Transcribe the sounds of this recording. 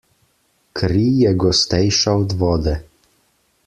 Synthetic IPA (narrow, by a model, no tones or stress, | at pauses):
kʰɾiːjɛɡɔst̪ɛjʃaɔd̪ʋɔːd̪ɛ